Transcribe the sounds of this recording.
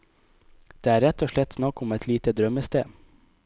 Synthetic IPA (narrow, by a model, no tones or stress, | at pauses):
d̪̥eːæːɾɛt̪ʰːoːʃɭɛt̪snɑkʊmɛt̪ʰliːt̪əd̪ɾœməst̪ḛː